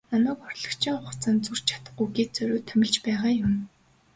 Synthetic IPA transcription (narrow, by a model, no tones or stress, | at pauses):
namæːkɔrɮɞ̆kt͡ɕʰiŋχʊχt͡saːnt͡sur̥t͡ɕt͡ɕʰḁt̪ə̥̆χuɣeːt̪̚t͡sœɾʲʊːt̪ʰœmʲɪ̆ɮt͡ɕpæːʁaːjʊm